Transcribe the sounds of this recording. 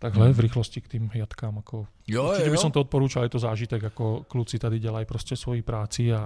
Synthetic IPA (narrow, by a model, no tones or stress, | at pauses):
t̪aɡɦlɛvɾiːxlɔscikt̪iːmɦjat̪kaːmakʰɔ | ut͡ʃicɛbisɔmt̪ɔɔt̪̚pɔɾuːt͡ʃalɛt̪ɔzaːʒit̪ɛɡakɔklut̪sit̪ad̪iɟalɛjpɾɔscɛsʋɔjipɾaːt͡sia